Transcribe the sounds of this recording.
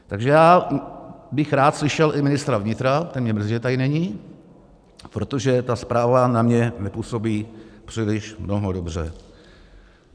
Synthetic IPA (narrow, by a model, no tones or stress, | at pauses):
t̪aɡʒɛjaː | bɪxɾaːt̪slɪʃɛlʔɪmɪnɪst̪ɾavɲɪt̪ɾat̪ɛnmɲɛmr̩ziːʒɛt̪ajɪnɛɲi | pɾot̪o̞ʒɛt̪aspɾaːvanamɲɛnɛpuso̞biːpr̝̥ɪlɪʃmno̞ɦodobr̝ɛ̰